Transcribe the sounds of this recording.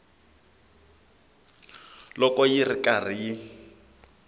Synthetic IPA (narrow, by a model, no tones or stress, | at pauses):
lɔkʼɔjirikʼarijɪ